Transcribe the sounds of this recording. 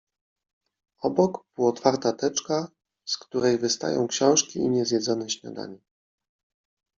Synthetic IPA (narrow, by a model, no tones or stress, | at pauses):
ɔbɔkpuɔt̪faɾt̪at̪ɛt͡ʂka | skt̪uɾɛjvɘst̪a̰jɔ̰̃w̃kɕɔ̃w̃ʂkʲiiɲɛzjɛd̪zɔnɛɕɲa̰d̪a̰ɲɛ